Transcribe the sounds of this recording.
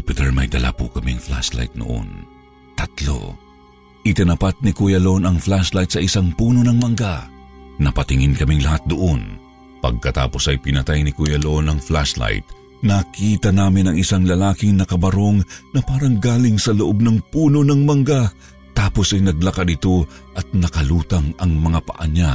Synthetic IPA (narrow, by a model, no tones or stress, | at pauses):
pɪt̪ɛɹmɐ̰jd̪ɐ̰la̰pʊ̰kɐmiŋfla̰sla̰jt̪̚no̰ʔo̰n | t̪ɐt̪lo̞̰ | ʔɪt̪ɪnɐpat̪̚nikujɐlo̞nɐŋflaslajt̪sɐʔɪsaŋpuːno̞nɐŋmɐŋɡanɐpɐt̪ɪŋɪnkɐmiŋlɐhat̪̚d̪oʔon | pɐ̰ɡ̚kɐt̪a̰ːpo̞sɐjpɪnɐt̪ajnɪkujɐloonɐŋflasla̰jt̪̚ | nɐkiːt̪ɐnaːmɪnɐŋɪsaŋlɐlaːkɪŋnɐkɐbɐɾo̞ŋnɐpaːɾɐŋɡaːlɪŋsɐloʔo̞b̚nɐŋpuːno̞nɐŋmɐŋɡa | t̪aːpo̞sɐjnɐɡ̚lɐkad̪ɪt̪o̞ʔɐt̪̚nɐkɐluːt̪ɐŋɐŋmɐŋapɐ̰ʔɐ̰ɲa